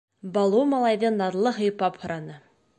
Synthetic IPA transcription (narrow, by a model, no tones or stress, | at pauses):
bɑlˠuwmɑlˠɑjðɤnɑd̪lˠɤɦɤ̆jpɑphɤ̆ɾɑnɤ